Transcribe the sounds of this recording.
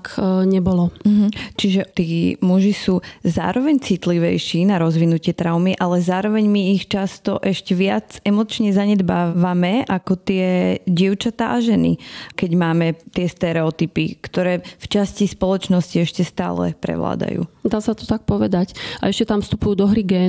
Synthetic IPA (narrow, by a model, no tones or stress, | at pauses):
kɲɛbɔlɔɦm̩t͡ʃiʒɛt̪iːmuʒisuːza̰ːɾɔʋɛɲt͡sit̪liʋɛjʃiːnaɾɔzʋinucɪɛt̪ɾaʊmiʔalɛzaːɾɔʋɛɲmiːxt͡ʃast̪ɔ̰ʔɛʃcɛʋɪad͡zɛmɔt͡ʃɲɛzaɲɛd̪baːʋamɛʔakɔt̪ɪɛɟɪɛʊt͡ʃat̪a̰ʔaʒɛnḭkɛɟmaːmɛt̪ɪɛst̪ɛɾɛɔt̪ipikt̪ɔɾɛːft͡ʃascispɔlɔt͡ʃnɔsciɛʃcɛst̪a̰ːlɛ̰pɾɛ̰ʋla̰ːd̪a̰jṵːd̪aːsat̪ɔ̥t̪ak̚pɔʋɛd̪aca̰ɛʃcɛt̪amfst̪upujuːd̪ɔɦɾiɡɛː